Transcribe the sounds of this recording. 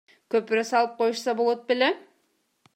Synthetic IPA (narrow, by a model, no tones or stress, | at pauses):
kʲʰøpɪɾæsɑlˠɯp̚qʰojuʃsɑbolˠot̪̚bele